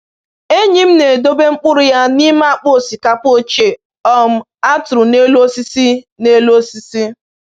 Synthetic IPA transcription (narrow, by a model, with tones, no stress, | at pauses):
e˦ɲi˦m̩˦ne˨do˦be˦ŋ͡m̩˦k͡pʊ˦ɾʊ˦ja˦ni˦ma˦a˦˨k͡po˦˨si˨ka˦po˦t͡ʃe˨ | ɔ˦m̩˦ | a˦tʊ˨ɾʊ˨ne˦lo˦si˦si˦ | ne˦lo˦si˦si˦